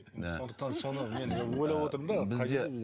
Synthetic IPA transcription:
sond̪əq̚t̪ɑnso̞nəmenwojlˠɑwo̞t̪əɾəmd̪ɑbɪzɑd̪ebz

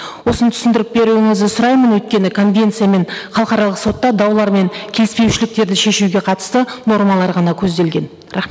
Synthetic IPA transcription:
wo̞sənt̪ʰʏ̥sɪnd̪ɪɾɪk̚be̞ɾuwɪŋɪzd̪ɪsʊɾɑjmənwɵt̪̚kʲe̞nɪkʰo̞nvʲe̞nt̪sɨjame̞nχɑlˠqɑɾɑlˠəqso̞t̪ːɑd̪ɑwlˠɑɾme̞ŋkʲʰe̞lɪspe̞wʃɪlɪk̚t̪e̞ɾd̪ɪʃe̞ʃuɡʲe̞qʰɑt̪ə̥st̪əno̞ɾmɑlˠɑɾʁɑnɑkʲʰɵzd̪e̞lɡʲe̞n | ɾɑχe

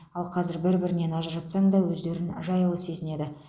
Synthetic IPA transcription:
ɑlˠqʰɑzɪɾbɪɾbɪɾɪne̞nɑʒəɾʒɑt̪sɑɴd̪ɑwɵzd̪e̞ɾɪnʒɑjəlˠəse̞zɪne̞d̪ɪ

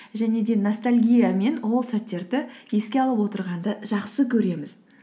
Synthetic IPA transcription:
ʒæne̞d̪e̞nost̪alʲɡʲijame̞nwo̞lˠsæt̪ːe̞ɾd̪ɪje̞skʲe̞ɑlˠəpwo̞t̪əɾʁɑnd̪əʒ̥ɑqsəkʲʰɵɾe̞mɪz

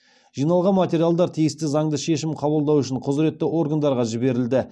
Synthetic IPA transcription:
ʒ̥ijnɑlˠʁɑnmat̪ʲe̞ɾijalˠd̪ɑɾt̪ʰijɪst̪ɪzɑŋd̪əʃe̞ʃɪmqʰɑbəlˠd̪ɑwʏʃɪɴqʰʊzɾe̞t̪ːɪʔo̞ɾɡand̪ɑɾʁɑʒɪbe̞ɾɪld̪ɪ

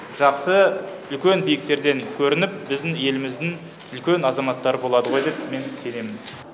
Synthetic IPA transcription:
ʒ̥ɑqsə | ʏlkʲe̞nbijɪk̚t̪e̞ɾd̪e̞ŋkʲʰɵɾɪnɪp̚bɪzd̪ɪŋje̞lɪmɪzd̪ɪŋ | ʏlkʲe̞nɑzɑmɑt̪ːɑɾəbo̞lˠɑd̪əʁo̞jd̪epme̞nse̞ne̞mɪn

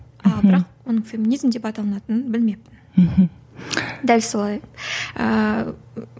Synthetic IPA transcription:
bɾɑq̚wo̞nəɴfʲe̞mʲinizmd̪e̞pɑt̪ɑlˠənɑt̪ənənbɪlme̞pɪnm̩h | d̪ælʲso̞lˠɑjə̰

